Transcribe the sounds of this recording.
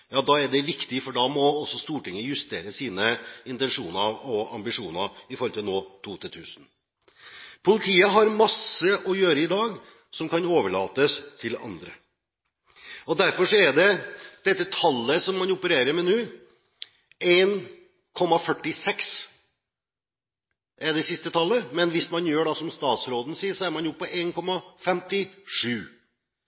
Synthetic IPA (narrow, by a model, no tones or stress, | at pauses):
jɑːd̪ɑːɛɖɛʋɪkt̪ɪfɔɖɑːmɔɔsːɔst̪uːʈɪŋːəjʉst̪eːɾəsiːnəɪnt̪ɛnʂuːnəɾɔɑ̰mbɪʂuːnəɪfɔɾɔlt̪ɪlnoːt̪ʰuːt̪ʰɪlt̪ʰʉːsən | pʰʊlɪt̪ʰiːəɦɑɾmɑsəʔɔjøːɾəɪd̪ɑːɡ | sɔmkɑnoːʋəɭɑ̰ːt̪əst̪ʰɪlɑ̰nd̪ɾə̰ | ɔd̪æɾfɔʂɔɛd̪ɛd̪ɛt̪ːət̪ʰɑlːəsɔmːɑnʊpəɾeːɾəɾmɛnʉː | eːn | kʰɔmːɑfœʈːɪsɛks | ʔɛd̪ɛsɪst̪ət̪ʰɑlːəmɛnʋɪsmɑnjøːɖɑsɔmst̪ɑːt̪sɾoːd̪n̩siːəsɔæɾmɑnjʊpʰːɔʔeːnkʰɔmːɑfɛmt̪ɪʂʉː